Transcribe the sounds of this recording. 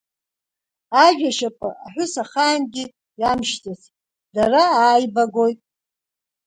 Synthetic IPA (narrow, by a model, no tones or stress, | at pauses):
aʒᶣaʃapʼɨ̰ʔaħʷᶣʊsaχaːnɡʲɪ | jamʃtʰʼas | daraaːjbaɡo̞jtʼ